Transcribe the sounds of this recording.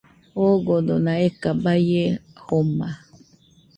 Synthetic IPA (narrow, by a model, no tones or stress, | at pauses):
oɡod̪onãekabajehoma